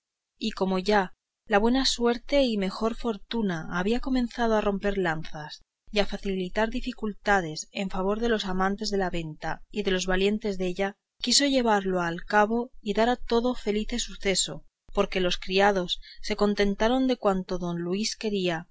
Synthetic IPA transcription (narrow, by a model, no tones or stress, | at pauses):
iko̞mo̞ʝa | laβwe̞naswe̞ɾt̪e̞ime̞xo̞ɾfo̞ɾt̪unaːβ̞iako̞mẽ̞n̟θaðoaro̞mpe̞ɾlanθas | iafaθilit̪aɾðifikult̪að̞e̞se̞ɱfaβ̞o̞ɾðe̞lo̞samãnt̪e̞zðe̞laβe̞nt̪aiðe̞lo̞zβalje̞nt̪e̞zðe̞ʎa | kiso̞ʝe̞β̞aɾlo̞alkaβo̞iðaɾat̪o̞ðo̞fe̞liθe̞suθe̞so̞ | po̞ɾke̞lo̞skɾiað̞o̞sːe̞ko̞nt̪e̞nt̪aɾo̞nd̪e̞kwant̪o̞ðo̞nlwiske̞ɾia